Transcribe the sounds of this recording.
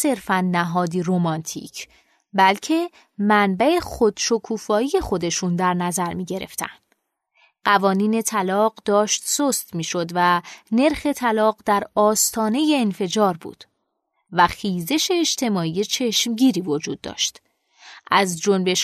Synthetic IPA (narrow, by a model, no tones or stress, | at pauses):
se̞ɾfænːæɦɒːd̪iɾomɒnt̪ʰḭːcʰ | bælcʰe̞ | mænbæe̞xo̞d̪̥ʃo̞kʰuːfɒːije̞xo̞d̪e̞ʃund̪æɾnæzæɾmiːɟe̞ɾe̞̰ft̪ʰæ̰nd̪ | ɢævɒːniːne̞t̪ʰælɒːɢd̪ɒːʃt̪sost̪miːʃo̞d̪væne̞ɾxe̞t̪ʰælɒːɢd̪æɾɒːst̪ʰɒːne̞je̞ːnfe̞d͡ʒɒːɾbṵːd̪̥ | væxiːze̞ʃe̞ːd͡ʒt̪ʰe̞mɒːijet͡ʃʰe̞ʃmɟiːɾiːvo̞d͡ʒuːd̪̚ːɒ̰ːʃt̪ | ʔæzd͡ʒonbe̞ʃ